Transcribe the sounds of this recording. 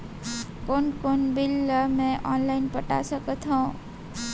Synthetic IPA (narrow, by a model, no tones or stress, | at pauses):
konkonbilːəmẽʔɔnlaɪnpəʈa̰səkət̪ʰɦɔ̃